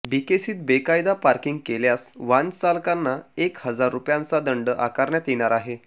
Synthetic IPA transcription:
bikesiːt̪̚bekajd̪apaɾkiŋɡkeljasʋant͡salkanːaekhəd͡zaɾːupjãnt͡sad̪əɳɖəʔakaɾɳjat̪jeɽ̃aɾaɦe

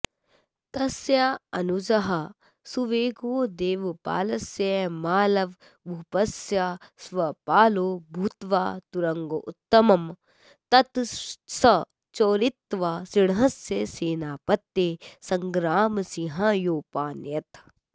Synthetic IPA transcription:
t̪ɐsjaɐnud͡ʒɐɦɐ | suʋeːɡoːd̪eːʋpa̰ːlɐsjemaːlɐʋ | bʱupɐsjasʋɐpaːloːbʱut̪ʋaːt̪uɾɐŋɡoʔut̪ːɐmɐm | t̪ɐt̪sɐ | t͡ʃoːɾɪt̪ːʋaːsiɽɦɐsjeːseːnaːpɐt̪ːeːsɐŋɡɾaːmsiɦãjoːpaːnjɐt̪

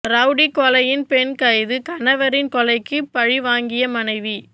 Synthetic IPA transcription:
ɾɐʊɽikɔlɐjɪnpɛnkɐjðɯkɐnɐʋɐɾɪnkɔlɐɪkːɯpːɐɻiʋaːŋɡɪjɐmɐnɐɪʋi

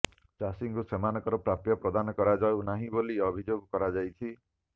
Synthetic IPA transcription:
t͡ʃasiŋkusemanɔkɔɾɔpɾapjɔpɾɔd̪anɔkɔɾad͡ʒawnaɦĩboliɔbʱid͡ʒoɡɔkɔɾad͡ʒajt͡ʃʰi

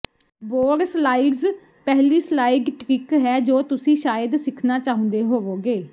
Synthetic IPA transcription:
boːɾslaːɪɡz | pɛɦliːslaːɪɡʈɾɪkɦɛːd͡ʒoːt̪ʊsĩːʃaːjəd̪sɪkʰnaːt͡ʃaːɦʊ̃nd̪eːɦoːʋoːɡeː

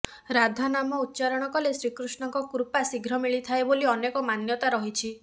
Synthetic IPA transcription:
ɾad̪ʱanamɔut̪̚ːt͡ʃaɾɔɽ̃ɔkɔlesɾikɾusɳɔŋkɔkuɾpasiɡʱɾɔmiɭit̪ʰaeboliɔnekɔmanjɔt̪aɾɔɦit͡ʃʰi

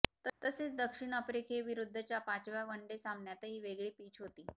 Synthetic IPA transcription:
t̪ət̪əset͡sd̪əkʂiɳ̃əpɾekʰeʋiɾud̪ʱːət͡ɕjapat͡ɕʋjaʋəɳɖesambʱɳjat̪əɦiːʋeɡɭiːpiːt͡ɕɦot̪iː

